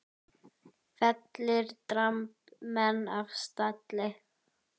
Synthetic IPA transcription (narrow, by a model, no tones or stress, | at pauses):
fɛt̪lɪɾt̪ɾamp | mɛnːavst̪at̪lɪ